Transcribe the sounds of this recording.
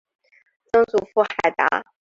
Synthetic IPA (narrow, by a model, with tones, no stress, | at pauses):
t͡sɤ˥ŋt͡su˨˩fu˥˩xa˨˩ɪt̪a̰˧˥